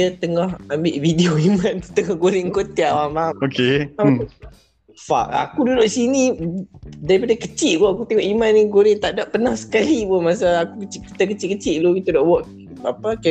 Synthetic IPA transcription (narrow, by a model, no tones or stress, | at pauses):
ət̪əŋɔhambɪʔvideoimãnt̪u̥t̪əŋɔhɡoɾɪŋkot̪iawamaokea | fa̰ʔa̰kududʊʔsini | daɾipadakət͡ʃiʔ̚bɔakut̪eŋɔʔimanːiɡoɾɪnt̪aʔdaʔpːənahsə̥kalibumas̬aakukət͡ʃiʔki̥t̪akət͡ʃiʔkət͡ʃiʔlukit̪udaʔwɔʔ | apaka